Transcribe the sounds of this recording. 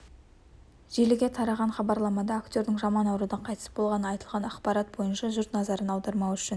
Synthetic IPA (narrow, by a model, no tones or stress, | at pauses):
ʒ̥elɪɡʲet̪ʰɑɾɑʁɑɴχɑbɑɾlˠɑmɑd̪ɑːkt̪ʲoɾd̪ɪŋʒɑmɑnɑwɾud̪ɑɴqʰɑjt̪əsb̥o̞lˠʁɑnəɑjt̪əlˠʁɑnɑqpɑɾɑt̪̚bo̞jənʃɑʒʊɾt̪nɑzɑɾənɑlˠd̪əɾmɑwʏʃɪn